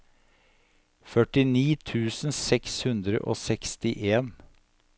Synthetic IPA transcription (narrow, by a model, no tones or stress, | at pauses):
fœʈɪniːt̪ʰʉːsn̩sɛkshʉnd̪ɾə̰ʔo̰ːsɛkst̪ɪʔeːn